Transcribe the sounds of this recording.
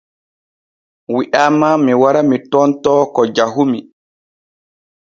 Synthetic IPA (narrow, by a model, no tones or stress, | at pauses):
wiʔaːmamiwaɾamitɔntɔːkɔd͡ʒaɦumi